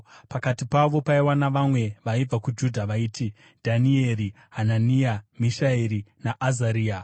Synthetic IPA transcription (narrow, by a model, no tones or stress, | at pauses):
pakatipaʋo̞paiwanaʋamwe̞ʋaib͡vakud͡ʒudʱaʋaiːtʰi | dʱanieɾi | ɦananiamiʃaeɾinaʔːzaɾiːa